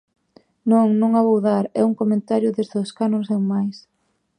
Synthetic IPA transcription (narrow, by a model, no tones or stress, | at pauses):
nõŋnũŋaβowðaɾɛ̰uŋkomẽnt̪aɾjʊðezðoskanoŋs̬eŋmajs